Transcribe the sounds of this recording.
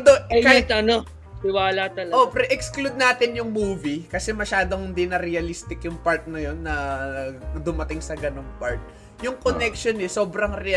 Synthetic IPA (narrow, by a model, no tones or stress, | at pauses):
d̪oɐkɪt̪ɐno | t̪ɪwaːlat̪ɐlʔopɾɪʔɛksklud̪̚naːt̪ɪnjʊŋmuːvikɐsɛmɐʃaːd̪oŋɪnd̪inɐɾɛɐlist̪ɪkjʊŋpɐɹt̪̚nɐjo̞nːɐ | d̪ʊmɐt̪ɪŋsɐɡɐno̞ŋpaɹt̪̚ | jʊŋkonɛkʃonɛso̞ːbɾɐŋɾɛɐ